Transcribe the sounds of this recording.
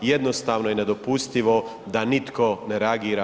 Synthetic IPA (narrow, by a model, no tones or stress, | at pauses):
jed̪nost̪aːʋnojene̞d̪opust̪iʋo̞ | d̪anit̪kone̞ɾeaɡiːɾa